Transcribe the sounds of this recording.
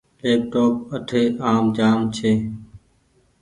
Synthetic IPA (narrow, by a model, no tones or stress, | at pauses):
leːp̚ʈoːp̚əʈʰeːʔaːmd͡ʒaːmt͡ʃʰeː